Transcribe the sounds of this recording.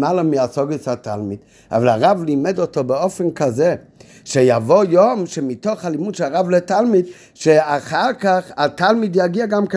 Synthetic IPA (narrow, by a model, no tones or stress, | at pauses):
malamiasɔɡəsatʰa̰lˠmid | a̰valaʁavlimɛdɔtobəofɛnkazɛ | ʃejavojomʃemitoχhalimud̥ʃɛlaʁavlɛtalˠmid | ʃeaχaʁkaχatalˠmidjaɡiaɡamk